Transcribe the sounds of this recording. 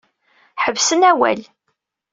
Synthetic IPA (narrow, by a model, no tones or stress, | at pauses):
ħəvsənæwæ̰l